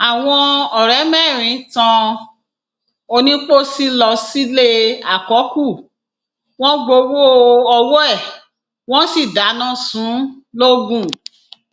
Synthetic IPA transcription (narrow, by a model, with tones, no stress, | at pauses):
a˨w̃ɔ̃˧ɔ˨ɾɛ˨˦mɛ˦˨ɾ̃ĩ˨˦tã˧ | o˧nĩ˦k͡po˦si˦lɔ˧si˦le˦a̰˨kɔ˨˦ku˦˨ | w̃ɔ̃˦ɡ͡bo˧wo˦ɔ˧wɔ˦ɛ˦˨ | w̃ɔ̃˦si˦˨da˨˦nã˦sũ˨˦ | lo˦ɡũ˦˨